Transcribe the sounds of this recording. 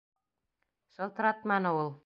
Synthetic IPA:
ʃɤ̆lˠt̪̆ɾɑt̪mɑnɤulˠ

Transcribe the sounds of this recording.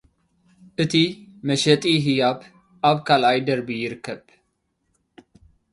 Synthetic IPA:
ʔɨt̪ʰimɐʃɛt̪ʼiɦijab | ʔaβkʰalʔajd̪ɐɾbijɪɾɨkːɐβ

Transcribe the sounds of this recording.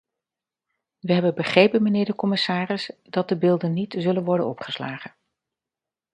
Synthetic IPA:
ʋəɦɛbənbəχrejpənmənɪːɹdəkɔmɪsaːrɪsdɑt̚dəbɪːlˠdənːitzɵlənʋɔɹdənɔpχə̥slaːχən

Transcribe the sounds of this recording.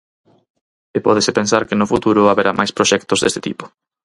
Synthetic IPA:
epɔðesɪpensaɾkɪnʊfut̪uɾʊaβeɾamʔajspɾoʃɛkt̪ozðḛst̪ɪt̪ipʊ̥

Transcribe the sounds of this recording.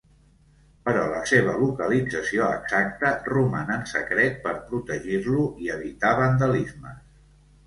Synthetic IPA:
pəɾɔlə̰seβ̞əlukəlid͡zəsioə̰ɡz̥ak̚t̪ərumanənsə̰kɾɛt̪̚pəɾpɾut̪əʒiɾluʔiəβit̪aβənd̪əlizmə

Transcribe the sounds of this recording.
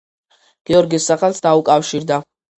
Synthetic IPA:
ɡ̥iɔɾɡisːaχɛlˠsd̪aukʼafʃiɾd̪a

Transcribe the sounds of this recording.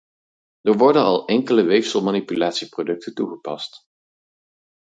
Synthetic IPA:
d̥əɹʋɔɹdənɑ̰lˠɛŋkələʋejfsəlˠmanipylaːtsiprodɵk̚təntuχəpɑ̰st

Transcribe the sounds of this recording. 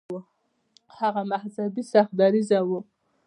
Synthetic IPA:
u | haɣamahzabisaxd̪aɾizawu

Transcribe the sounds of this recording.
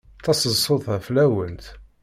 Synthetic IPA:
θɑsəzsˤoðˤʁflæwənt̪

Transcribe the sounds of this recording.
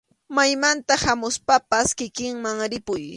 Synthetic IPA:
majmant̪ahamʊspapaskɪkɪŋmaŋɾɪpʊj

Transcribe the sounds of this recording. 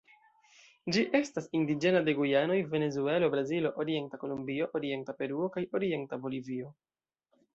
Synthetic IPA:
d͡ʒiʔe̞stasindid͡ʒe̞nade̞ɡujano̞jve̞ne̞zue̞lo̞bɾazilo̞ʔoɾie̞ntako̞lumbio̞ʔoɾie̞ntape̞ɾuo̞kajo̞ɾie̞ntabo̞livio̞

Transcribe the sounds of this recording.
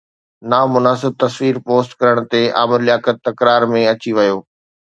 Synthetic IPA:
naːmʊnaːsɪb̚t̪ɐsʋiːɾpoːsʈkɐɾəɽ̃t̪eʔaːmɪɾɪjaːkət̪ːɐkɾaːɾmẽɐt͡ɕiʋɐjoː

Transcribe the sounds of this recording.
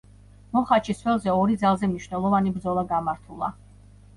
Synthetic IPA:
mɔχat͡ʃʰisvwɛlˠzɛɔɾid̪zalˠzɛmniʃnɛlˠɔvanibɾd̪zɔlˠaɡamaɾt̪ʰulˠa̰

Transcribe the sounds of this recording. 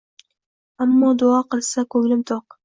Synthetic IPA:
amːɒːd̪ʊɑqɨlˠsakʰɵŋlɪmt̪ʰoq

